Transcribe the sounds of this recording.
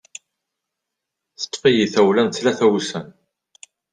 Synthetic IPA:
θə̥t̪ːfijiθæwlænt͡s̪ːlæθæwsən

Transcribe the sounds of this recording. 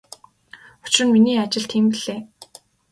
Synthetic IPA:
ʊ̥t͡ɕrɘ̆nminiːat͡ɕɪ̆ɮt̪ʰiːmpiɮ̥eː

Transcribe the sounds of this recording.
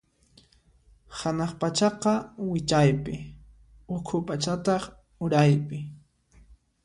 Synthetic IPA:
hanɑχpat͡ʃɑqɑwɪt͡ʃajpɪ | ʊkʰʊpat͡ʃat̪ɑχ | ʊɾajpɪ

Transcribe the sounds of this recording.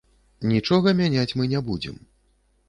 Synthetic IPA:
nʲit͡ʂɔɣɐmʲanʲat͡sʲmɨnʲɛbud͡zʲɛ̰m

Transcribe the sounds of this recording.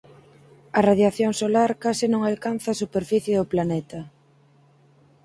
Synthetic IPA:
ɐraðjaθjoŋsolaɾkasɪnõŋalkan̟θaːsupeɾfiθjeðʊplanɛt̪ɐ

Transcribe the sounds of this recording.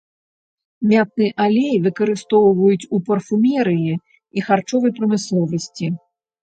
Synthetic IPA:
mʲat̪̚nɨɛʔalʲejvɨkɐɾɨst̪ɔwvɐjut͡sʲupɐrfumʲɛɾɨji | ixart͡ʂɔvɐjpɾɐmɨslˠɔvɐsʲt͡sʲi

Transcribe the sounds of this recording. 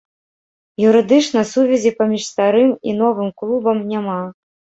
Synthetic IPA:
juɾɨd̪ɨt͡ʂnɐsuvʲɛzʲipamʲiʂst̪aɾɨmḭnɔvɨmklˠubɐmnʲama

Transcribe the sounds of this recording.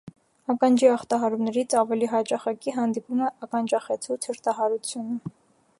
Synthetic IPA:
ɑkɑnd͡ʒiɑχt̪ɑɦɑɾumnɛɾit͡sʰɑvɛliɦɑt͡ʃɑχɑkiɦɑnd̪ipumɛʔɑkɑnd͡ʒɑχɛt͡sʰut͡sʰəɾt̪ɑɦɑɾut͡sʰjunə

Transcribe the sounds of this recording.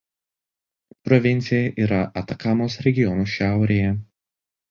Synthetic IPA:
pɾɔʋʲɪnʲt̪sʲɪjɛʔiːɾɐʔɐt̪ɐkɑːmoːsɾʲɛɡʲɪjɔnuːʃʲæˑʊɾʲeːjɛ

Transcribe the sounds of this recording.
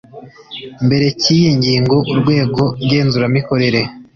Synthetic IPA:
mbe̞ɾe̞ciːjeɲɟiːŋɡo̞ʔuɾɡwe̞ːɡo̞ɾɡe̞ːnzuɾamiko̞ɾe̞ɾe̞

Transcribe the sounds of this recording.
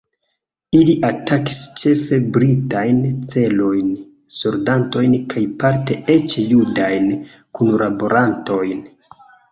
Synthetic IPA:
iliʔataki̥st͡ʃe̞fe̞bɾitajnt͡se̞lo̞jn | soɾdanto̞jnkʰajpaɾte̞e̞t͡ʃjudajn | kunlabo̞ɾanto̞jn

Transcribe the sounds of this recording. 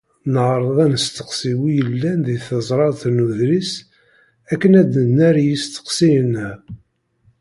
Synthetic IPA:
nəʕɾˤəðˤænəst̪ə̥qsiwijəlːænðiθəzˤɾˤɑθnuðɾis | ækːənæd̪ənːæɾjist̪ə̥qsijn

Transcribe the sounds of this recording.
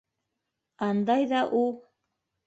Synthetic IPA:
ɑnd̪ɑjðɑʔu

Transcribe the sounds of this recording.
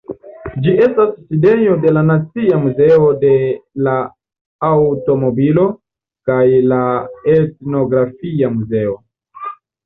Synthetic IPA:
d͡ʒiʔe̞stasːide̞ɲo̞de̞lanat͡siamuze̞o̞de̞laː | wto̞mo̞bilo̞ | kajlaetno̞ɡɾafiamuze̞o

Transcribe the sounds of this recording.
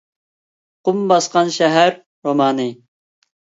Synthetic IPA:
qʊmbɑsqɑnʃɛɦæɾː | omɑːnɨ

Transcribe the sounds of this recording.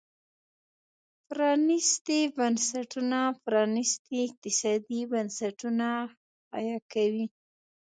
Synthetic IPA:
pɾɑnɪst̪ibansaʈunapɾɑnɪst̪iɪq̚t̪ɪsɑd̪ibansaʈuna | ɑ̰jɑkawi

